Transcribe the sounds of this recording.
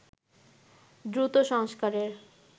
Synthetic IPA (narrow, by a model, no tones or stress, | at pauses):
d̪ɾut̪oʃɔŋskaɾeɾ